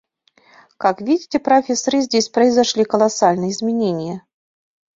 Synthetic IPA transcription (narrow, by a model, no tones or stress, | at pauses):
kakvʲidʲitʲɛpɾafʲesɐɾɨzʲd͡zʲesʲpɾəizaʂlʲikɐlˠasalʲnɨjəizʲmʲenʲenʲɪjə